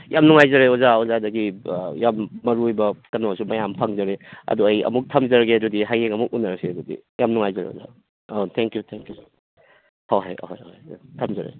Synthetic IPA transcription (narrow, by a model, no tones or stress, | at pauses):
jamnuŋajzɐɾeɔzaɔzadɐɡijamːɐɾujbɐkɐnosumɐjampʰaŋzɐɾeɐ̰duɐjɐ̰muk̚tʰɐmzɐɾɡeɐdudiɦajeŋɐmuk̚unːɐɾseɐdudḭjamnuŋajzɐɾḛo̰za̰ | atʰɛŋkjutʰɛŋkju | haɦajo̰ɦajohjtʰɐmzɐɾḛ